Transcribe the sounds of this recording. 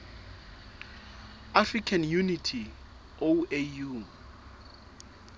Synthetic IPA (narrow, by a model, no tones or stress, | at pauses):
afrikʰanjunitʰi | oeju